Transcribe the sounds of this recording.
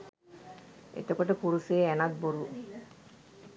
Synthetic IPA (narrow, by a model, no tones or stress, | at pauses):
ḛt̪okoʈəpuɾuseɛnat̪̚boɾu